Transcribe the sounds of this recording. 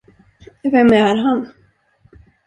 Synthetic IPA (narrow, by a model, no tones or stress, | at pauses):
vɛmæɾɦan